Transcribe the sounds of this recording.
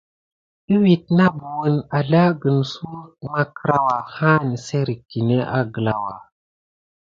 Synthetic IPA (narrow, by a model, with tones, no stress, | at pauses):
i˦wi˨t̚na˦bu˨wə˦na˨ɮa˦ɡə˨nsu˦ma˦kɾa˦wa˨ha˦ni˨se˦ɾi˨ki˨ne˦ʔa̰˦ɡə˨la˨wa̰˨